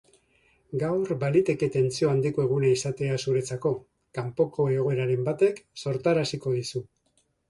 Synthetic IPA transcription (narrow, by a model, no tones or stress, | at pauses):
ɡawɾbalit̪e̞ke̞t̪e̞nt͡sio̞and̪iko̞e̞ɣ̞unaisat̪e̞asuɾe̞t͡sako̞ | kampo̞ko̞e̞ɣ̞o̞e̞ɾaɾe̞mbat̪e̞kso̞ɾt̪aɾasiko̞ðisu